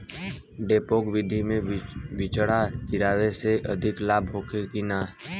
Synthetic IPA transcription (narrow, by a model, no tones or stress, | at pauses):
ɖeːpoːkʋɪd̪ʱimẽʋɪt͡ʃɽakɪɾaːʋeseʔəd̪ʱɪklaːbʱɦoːkekinaː